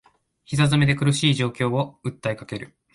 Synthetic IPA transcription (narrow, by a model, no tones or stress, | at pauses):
çisazɨme̞d̪e̞kɯ̟ɾɯ̟ɕiːʑo̞ːkʲo̞ːoɯ̟t̪ːaikake̞ɾɯ̟